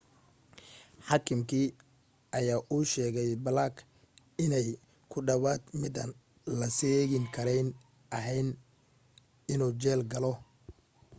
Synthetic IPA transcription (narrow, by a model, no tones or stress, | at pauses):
ħɑːkʰɪmkʰiː | ɐjaːʔuːʃɛːɣɛjbɐlaːk | ɪnɛj | kʰʊɖɐwaːd̪mɪd̪ɐn | lɐsɛːɣɪŋkʰɐɾɛjn | ʔɐɦɛjn | ɪnuːt͡ʃɛːlɡɐlɔ